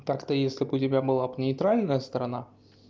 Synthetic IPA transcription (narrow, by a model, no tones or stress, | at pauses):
t̪akt̪əjesʲlʲɪpʊd̪ʲɪmʲæbɨlˠɑpnʲɪjt̪ɾalʲnəjəst̪əɾana